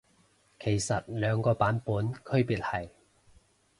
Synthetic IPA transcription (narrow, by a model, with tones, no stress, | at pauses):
kʰe˨˩jsɐ˨t̚lœː˨˧ŋkɔː˧paː˨˥npuː˨˥nkʰɵ˥ɥpiː˨t̚hɐ˨˩j